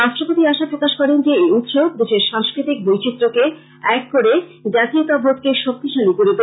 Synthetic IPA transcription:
ɾaʃʈɾopot̪iaʃapɾokaʃkɔɾend͡ʑeeut̪ʃob̚d̪eʃeɾʃãŋskɾit̪ik̚bojt͡ɕit̪ːɾoke | ɛkːoɾed͡ʑat̪iot̪abʱot̪keʃok̚t̪iʃalikoɾet̪o

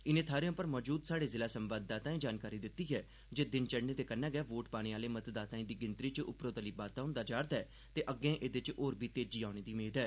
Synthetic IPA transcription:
ɪnẽːt̪ʰaːɾeõːpəɾmɔːd͡ʒuːd̪saːɽeːzɪlaːsəmbaːd̪̚ːaːt̪ãːĩːd͡ʒaːnkaːɾiːd̪ɪt̪ːiːɦɛː | d͡ʒeːd̪ɪnt͡ʃəɽneːt̪eːkənːɛ̃ːɡɛːʋoːʈpaːɽ̃ĩːaːleːmət̪d̪aːt̪aːĩːd̪iːɡɪnt̪ɾiːt͡ʃʊpɾoːt̪əliːbaːt̪aːʊ̃nd̪aːd͡ʒaːɾt̪ɛː | t̪eːʔəɡːẽːʔed̪ɪt͡ʃoːɾbʱiːt̪eːd͡ʒiːaːʊɽ̃eːd̪iːmeːd̪ɛː

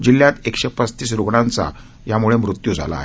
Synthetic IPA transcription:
d͡ʑiljat̪ekʂepət͡st̪iːs̬ɾuɡɳãnt͡sa̰ | jamuɭemɾut̪jud͡zʱa̰la̰ːɦe

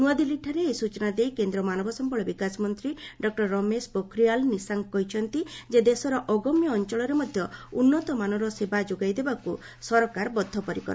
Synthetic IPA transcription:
nuad̪iliʈʰaɾeːsut͡ʃɔnad̪ejkend̪ɾɔmanɔbʱɔsɔmpɔɭɔbikasɔmɔnt̪ɾiɖɔk̚ʈɔɾːɔmesbɔkʰɾijalnisaŋkɔɦit͡ʃʰɔnt̪id͡ʒed̪esɔɾɔʔɔɡɔmjɔːnt͡ʃɔɭɔɾemɔd̪ʱjɔunːɔt̪ɔmanɔɾɔsebad͡ʒoɡajd̪ebaku | sɔɾɔkaɾbɔd̪ʱːɔpɔɾikɔ̰ɾɔ

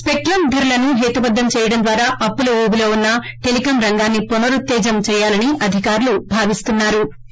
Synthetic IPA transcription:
spek̚ʈɾɐmd̪ʱɐɾulɐnuɦeːt̪ubɐd̪ːɐmt͡ʃɛːjɐɽɐmd̪ʋaːɾaːʔɐpːuluuːɡilo̞ːunːɐ | ʈelikɐmɾɐŋɡaːnːipunɐɾut̪ːɛːd͡ʒɐmt͡ʃɛːjaːlɐniʔɐd̪ʱikaːɾulubʱaːʋist̪unːaːɾu

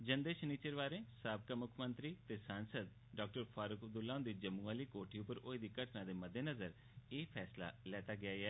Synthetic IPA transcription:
d͡ʒənd̪eːʃniːt͡ʃəɾʋaːɾẽːsaːbkaːmʊkʰmənt̪ɾiːt̪eːsãːnsəd̪ | ɖaːk̚ʈəɾfʰaːɾʊkəb̚d̪ʊlːãːʊ̃nd̪iːd͡ʒəmːũːaːliːkoːʈʰiːʊpəɾoːed̪iːkəʈnãːd̪eːməd̪eːnəzəɾ | eːpʰɛːsla̰ːlɛːt̪aːɡɪjaːɛː

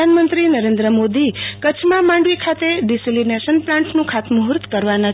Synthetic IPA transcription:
anmənt̪ɾinəɾẽnd̪ɾəmod̪ikət͡ʃʰmãmãɳɖʋikʰat̪eɖisilineʃənplãɳʈnũkʰat̪muɦɾt̪kəɾʋana

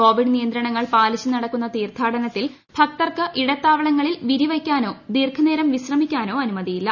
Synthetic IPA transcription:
ko̞ːʋiɖnijɐnd̪ɾɐɳɐŋːɐɭpaːliɕɨnɐɽɐkːunːɐt̪iːrt̪ʰaːɽɐnɐt̪ːil | bʰʱɐk̚t̪ɐrkɨʔiɽɐt̪ːaːʋɐɭɐŋːɐɭilʋiɾiʋɐkʲːaːno̞ːd̪iːrkʰɐneːɾɐmʋiɕrɐmikʲːaːno̞ːɐnumɐðijilːɐ

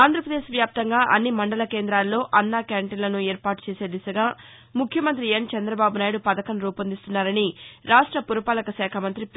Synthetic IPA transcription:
aːnd̪ɾɐpɾɐd̪eːʃʋjaːp̚t̪ɐŋɡaːʔɐnːimɐɳɖɐlɐke̞ːnd̪ɾaːlːo̞ːʔɐnːaːkaːɳʈinlɐnueːɾpaːʈu̥t͡ʃeːse̞ːd̪isɐɡaː | mukʰjɐmɐnt̪ɾient͡ʃɐnd̪ɾɐbaːbunaːjiɽupɐd̪ɐkɐnɾuːpɐnd̪ist̪unːaːɾɐniɾaːʂʈɾɐpuɾɐpaːlɐkɐsɛːkʰɐmɐnt̪ɾip

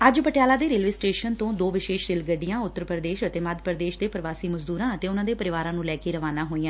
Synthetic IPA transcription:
əd͡ʒpəʈɪjaːlaːd̪eːɾeːlʋiːsʈeːʃənt̪õːd̪oːʋɪʃeːʃɾeːlɡəɖɪjãːʊt̪ːəɾpəɾd̪eːʃət̪eːməd̪ʱpəɾd̪eːʃd̪eːpəɾʋaːsiːməzd̪uːɾãːət̪eːʊnãːd̪eːpəɾɪʋaːɾãːnũːlɛːkeːɾəʋaːnaːɦoːiːãː

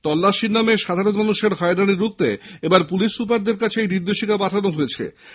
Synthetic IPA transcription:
t̪ɔlːaʃiɾnameʃad̪ʱaɾononuʃaɾɦɔed̪aniɾuk̚t̪eebaɾpuliʃːup̬aɾd̪eɾkat͡ɕʰeejd̪iɾd̪oʃikapaʈ̪ʰanoɦoet͡ɕʰḛ

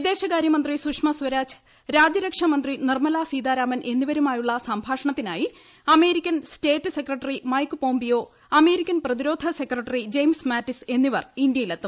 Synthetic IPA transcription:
id̪e̞ːɕɐkaːɾjɐmɐnd̪risukʂmɐsʋɐɾaːt͡ɕ | ɾaːd͡ʑjɐɾɐkʂɐmɐnd̪rinirmɐlaːsiːd̪aːɾaːmɐnʔe̞nːiʋɐɾumaːjuɭːɐsɐmbʱaːʂɐɳɐt̪ːina̰ːji | ɐme̞ːɾikʲːɐnste̞ːʈːɨse̞krɐʈːɐrimɐjkːɨpo̞ːmbijo̞ː | ɐme̞ːɾikʲːɐnprɐðiɾo̞ːd̪ʱɐsekrɐʈːɐrid͡ʑejmsmaːtːise̞nːiʋɐrindjɐjilet̪ːum

